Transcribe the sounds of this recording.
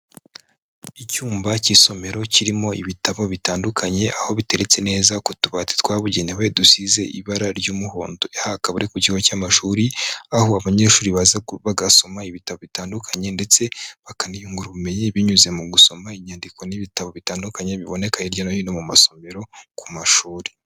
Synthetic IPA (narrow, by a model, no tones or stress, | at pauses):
icuːmbaciso̞me̞ɾo̞ciɾimo̞iβitaβo̞βitaːndukʰaɲe̞ʔaho̞βite̞ɾe̞t͡se̞ne̞ːzakutuβate̥twaːβuɟe̞newedusize̞ʔḭβaɾaɾɟuːmuho̞̰ːndoehakaβuɾekuciɡocaːmaʃuːɾiaɦo̞aβaɲe̞ːʃuːɾiβazaβaɡaso̞maiβitaβo̞βitaːndukʰaɲe̞nde̞t͡se̞βakanijuːŋɡuɾaβume̞ɲiβiɲuze̞muɡuso̞maiɲaːndikʰo̞niβitaβo̞βitaːndukaɲe̞βiβo̞ne̞kaɲeiɾɟanahinomumaso̞me̞ɾo̞kʰumaʃuːɾi̥